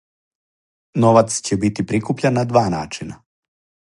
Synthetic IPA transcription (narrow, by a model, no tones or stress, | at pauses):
noʋat̪st͡ɕebit̪ipɾikupʎenːad̪ʋaːnaːt͡ʃina